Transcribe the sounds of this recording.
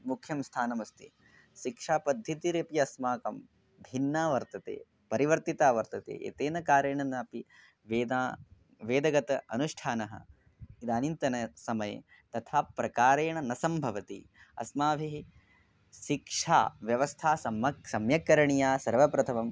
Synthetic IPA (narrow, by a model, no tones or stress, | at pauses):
mukʰjɐmst̪ʰaːnɐmɐst̪i | ʃikʂaːpɐd̪ʱjɐt̪iɾepijɐsmaːkɐm | bʱinːaːʋɐɾt̪ɐt̪ḛː | pɐɾiʋɐɾt̪it̪aːʋɐɾt̪ɐt̪ḛːʔḛːt̪eːnɐkaːɾeːɳɐnɐːpi | ʋeːd̪aː | ʋeːd̪ɐɡɐt̪ɐɐ̰nuʂʈʰaːnɐɦɐ̰ | id̪aːnint̪ɐnɐsɐmɐjḛ | t̪ɐt̪ʰaːpɾɐkaːɾeːɳɐnɐsɐmbʱɐʋɐt̪ḭ | ɐ̰smaːʋʱiɦi | ʃikʂa̰ːʋjɐʋɐst̪ʰaːsɐmɐsɐmjɐkɐɾɐɳijaːsɐɾʋɐpɾɐt̪ʰɐmɐm